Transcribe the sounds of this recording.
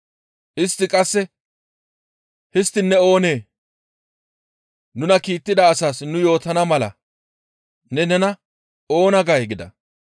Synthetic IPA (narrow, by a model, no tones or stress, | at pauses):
ʔɪst̪ːɪkʼɐsːɛ | hɪst̪ːɪnːɛo̞ːneː | nʊnɐkiːt̪ːɪd̪ɐːsaːsnʊjo̞ːt̪ɐnɐmɐlɐ̰ | nɛnɛnɐ | o̞ːnɐɡɐjɡɪd̪ɐ̰